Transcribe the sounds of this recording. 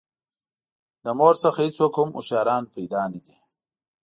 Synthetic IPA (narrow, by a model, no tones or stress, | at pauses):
d̪əmoːɾsɐxait͡soːkhʊmṵʃjɑːɾɑːnpajd̪aːniɡ̪i